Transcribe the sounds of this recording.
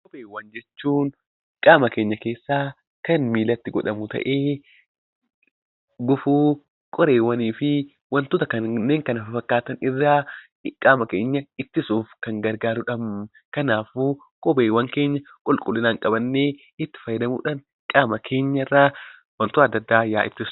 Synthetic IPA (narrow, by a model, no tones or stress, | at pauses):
kʼɔbeːwːɐnd͡ʒɛt͡ʃːuːn | kʼaːmɐkeːɲːɐke̞ːsːaː | kɐnmiːlɐt̪ːɪɡɔᶑɐmʊt̪ɐ̰ʔeː | ɡʊfuː | kʼɔɾe̞ːwːɐniːfɪ | wɐnt̪oːt̪ɐkɐnnːe̞ːŋkɐnɐfɪfɐkːaːt̪ɐnɪrːaː | ɪkʼaːmɐkeːɲːɐɪt̪ːɪsuːfkɐŋɡɐɾɡaːɾʊᶑɐm | kɐnaːfuː | kʼɔbeːwɐŋke̞ːɲːɐ | kʼʊlkʼʊlːɪnaːŋkʼɐbɐnːe̞ː | ɪt̪ːɪ̥fɐjɐd̪ɐmṵːᶑaːn | kʼaːmɐkʰe̞ːɲːɐrːaː | wɐnt̪ʊɐd̪ːɐd̪ːaːjaːʔɪ̰t̪ːɪs